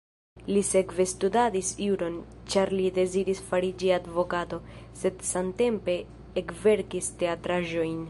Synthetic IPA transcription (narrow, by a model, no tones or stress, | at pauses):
lise̞kve̞studadisiuɾo̞nt͡ʃaɾlide̞ziɾisfaɾid͡ʒiadvo̞kato̞ | se̞dsamte̞mpe̞ː | kve̞ɾkiste̞atɾaʒo̞jn